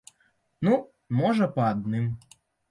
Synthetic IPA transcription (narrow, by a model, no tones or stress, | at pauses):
nu | mɔʐɐpɐad̪nɨm